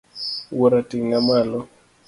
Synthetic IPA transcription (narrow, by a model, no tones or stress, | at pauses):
woɾatiŋamalɔ